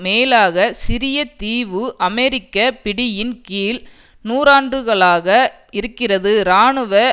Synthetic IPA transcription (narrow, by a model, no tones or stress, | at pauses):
meːlaːɣɐsɪɾɪjɐt̪iːʋɯʔɐmɛɾɪkːɐpɪɽɪjɪnkiːl | nuːɾaːndrɯɣɐɭaːɣɐ | ɪɾɯkːɪrɐðɯɾaːɳɯʋɐ